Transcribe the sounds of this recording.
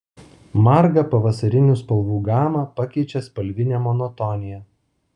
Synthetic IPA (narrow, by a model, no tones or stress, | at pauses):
mɑɾɡɐpɐʋɐsɐɾʲɪnʲuːˑspɐlˠʋuːɡɑːmɑpɐkʲɛɪt͡ʃʲɛspɐlʲʋʲɪnʲɛmɔnɔt̪ɔnʲɪjɛ